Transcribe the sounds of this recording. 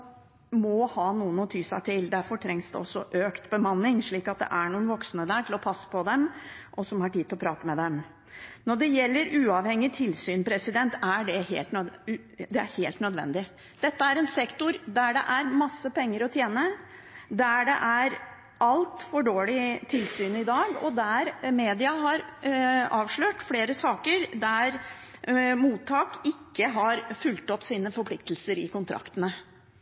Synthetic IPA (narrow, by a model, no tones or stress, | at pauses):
mɔhɑːnuːənɔt̪ʰyːsæt̪ʰɪld̪æɾfɔʈʰɾɛŋsd̪ɛ̰ɔsːɔʔøːkt̪bəmɑnːɪŋʂɭiːkɑt̪̚d̪ɛ̰ʔæɳuːənʋɔksnəd̪æːʈʰɪlɔpʰɑsːə̥pɔd̪ɛmʔɔsɔmhɑʈiːd̪ɪlɔpɾɑːt̪əmɛd̪ɛm | nɔɖɛjɛlːəɾʉːɑʋhɛŋːɪt̪ʰɪlsyːnpʰɾɛsɪd̪ɛnt̪æɖɛhḛːlt̪n | d̪ɛæ̰ɾheːlt̪nœd̪ʋɛ̰nd̪ɪ | d̪̥ɛt̪ːəæɾɛnsɛkt̪ʊɾd̪æɖɛ̰ʔæɾmɑsːəpɛŋːəɾɔt̪ʰjeːnəd̪æɖɛ̰ʔæɾ | ʔɑlt̪fɔɖoːɭɪt̪ʰɪlsyːnɪd̪ɑːɡɔ̰d̪æɾmeːd̪ɪɑɦɑɾ | ɑːʋʂɭøːʈfleːɾəsɑːkəɾd̪æɾ | muːt̪ʰːɑːkɪkːəɦɑɾfʉlt̪ɔpːsiːnəfɔɾpʰlɪkt̪əlsəɾɪ̰kʊnt̪ʰɾʔɑ̰kt̪ənə